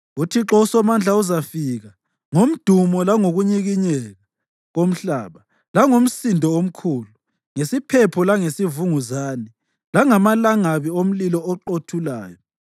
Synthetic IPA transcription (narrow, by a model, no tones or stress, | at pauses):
utʰiǁɔusɔmand͡ɮʱauzafiɣa | ŋom̩d̥ʱumɔlaŋoɣuɲiɣiɲɛɣa | ɣom̩ɬaːβa | laŋom̩sindʱɔom̩kʰulu | ŋesipʰɛpʰɔlaŋesivuŋuzaːni | laŋamalaŋaβiom̩lilɔɔǃotʰula̰ːjɔ